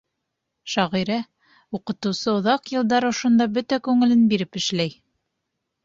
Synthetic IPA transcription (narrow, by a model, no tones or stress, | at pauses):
ʃɑʁiɾæ | utqɤ̆t̪ɤ̆wsɤŏðɑqjɤ̆lˠd̪ɑɾŏʃŏnd̪ɑbɵt̪ækʉŋɘ̆lɘnbiɾɘpɘ̆ʃlæj